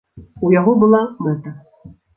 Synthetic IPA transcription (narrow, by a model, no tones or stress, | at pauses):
ujaɣɔbɨlˠamɛt̪ɐ